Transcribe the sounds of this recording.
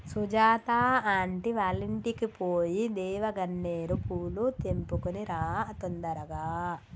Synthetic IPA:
sud͡ʒaːt̪aːaːɳʈiʋaːliɳʈikipoːjid̪ɛːʋɐɡɐnːeːɾupuːlut̪empukuniɾaːt̪ɔnd̪ɐɾɐɡaː

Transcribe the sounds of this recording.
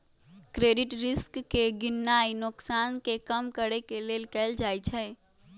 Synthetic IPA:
kɾeːɖɪʈɾɪskːeɡɪnːainʊksankekəmkəɾɛkelelkɛld͡ʒajt͡ʃʰɛ

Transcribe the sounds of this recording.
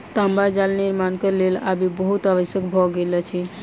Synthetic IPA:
t̪ambad͡ʒalniɾmankəlela̰bibəɦut̪aʋəʃjəkbʱɔɡelɛt͡ʃʰi

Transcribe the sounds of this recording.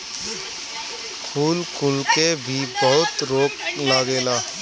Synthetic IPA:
kʰuːlkʊlkebʱibəɦʊt̪ɾoːklaɡeːlaː

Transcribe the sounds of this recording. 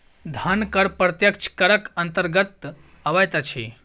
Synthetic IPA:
d̪ʱɐnkəɾpɾɐt̪jɐkt͡ʃʰkɐɾəkɐnt̪əɾɡət̪ | ɐʋajt̪at͡ʃʰḛ

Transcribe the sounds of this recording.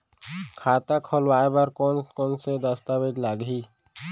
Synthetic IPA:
kʰaːt̪akʰɔlwaːebaɾkɔnkɔːnsed̪əst̪abed͡ʒlaɡɦi

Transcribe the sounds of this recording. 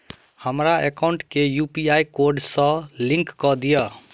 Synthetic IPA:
həmɾaekaʊ̃ɳʈkejupiajkoɾɖsə̃lĩŋkːɔd̪ijə

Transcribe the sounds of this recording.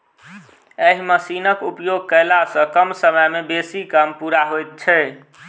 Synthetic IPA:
eɦiməsinəkupjoɡ̚kəlasə̃kəmsəməjmebesikəmpuɾaɦojt̪̚t͡ʃʰɛ

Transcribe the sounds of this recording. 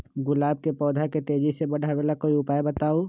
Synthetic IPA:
ɡʊlaːb̚kepɔːd̪ʱaket̪eːd͡ʒisebɐɽ̤ʱabeːlakoːiʊpaːebɐt̪aːo

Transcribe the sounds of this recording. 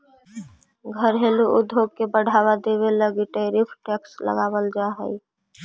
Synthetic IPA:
ɡʱəɾɦeluʔʊd̪ʱoɡ̚kebəɽ̤ʱaːwad̪eβeləɡiʈeɾipʰʈɛkslə̰ɡaːwəld͡ʒaɦə̰i

